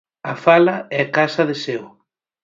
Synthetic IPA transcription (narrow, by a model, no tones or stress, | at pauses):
ɐfalɐɛakasɐðɪsew